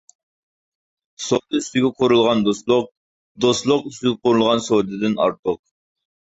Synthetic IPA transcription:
sod̪ɨyst̪yɡʲɛqʰoɾulˠʁɑnd̪oslˠʊq̚ | d̪oslˠʊqyst̪yɡʲɛqʰoɾulˠʁɑnsod̪ɨd̪ɪnɑ̰ɾt̪ʰʊq̚

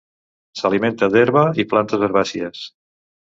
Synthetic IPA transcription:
saliment̪əd̪eɾβəiplant̪əzβəɾβasiəs

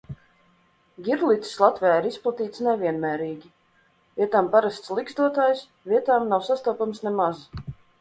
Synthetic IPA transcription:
ɡʲiɾlˠit̪ʲslˠat̪vʲɛjaːiɾisplˠat̪iːt̪snɛvʲiɛnmæːɾiːɡʲi | vʲiɛt̪aːmpaɾast̪slˠiɡzd̪uɔt̪aːjs | vʲiɛt̪aːmnawsast̪uɔpamsnɛmaz

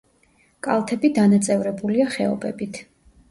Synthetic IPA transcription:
kʼalˠt̪ʰɛbid̪anat̪sʼɛvɾɛbuliaχɛɔ̰bʼɛbit̪ʰ

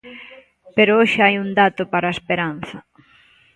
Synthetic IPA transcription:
peɾʊoʃeajund̪at̪opaɾaespeɾan̟θɐ

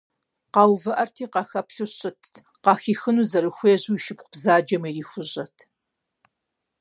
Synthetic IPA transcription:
qɑːwvɐʔɐrtʰiːqɑxɐpɬɨɕɪtʰ | qɑːxiːxɨnuːzɐɾɨxʷeːʑuːiʃɪpχʷʊbzaːd͡ʒɐmiːriːxʷʊʑɐtʰ

